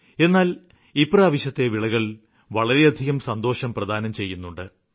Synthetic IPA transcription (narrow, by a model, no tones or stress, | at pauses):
e̞nːaːl | ipraːʋiɕɐt̪ːe̞ʋiɭɐɣɐɭ | ʋɐɭɐɾe̞ɐd̪ʱiɣɐmsɐnd̪o̞ːʂɐmprɐd̪ʱaːnɐmt͡ɕe̞jːunːuɳɖɨ